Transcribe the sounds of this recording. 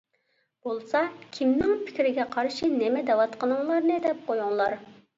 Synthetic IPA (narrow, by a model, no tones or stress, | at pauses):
b̥olˠsɑkʲʰimnɪŋpʰɪ̥kʲɾɪɡʲɛqʰɑɾʃinɛmɛd̪ɛwɑt̪qənɨŋlˠɑɾnɨd̪ɛp̚qojuŋlˠɑɾ